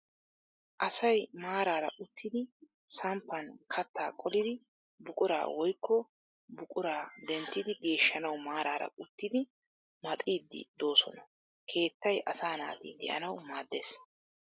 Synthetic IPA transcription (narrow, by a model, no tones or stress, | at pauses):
ʔɐsɐjmaːɾaːɾɐ̰ʔʊt̪ːɪd̪ɪ | sɐmpːɐnkʰɐt̪ʰːa̰ːkʼɔlɪd̪ɪ | bʊkʼʊɾa̰ːwɔjkʰːɔ | bʊkʼʊɾaːd̪ɛnt̪ːɪd̪ɪɡe̞ːʃːɐnɐwmaːɾaːɾɐ̰ʊt̪ːɪd̪ɪ | mɐt̪ʼiːd̪ːɪ̰d̪o̞ːsɔ̰nɐ | kʰe̞ːt̪ːɐjʔɐsaːna̰ːt̪ḭːd̪ɛ̰ʔɐ̰nɐwmaːd̪ːeːs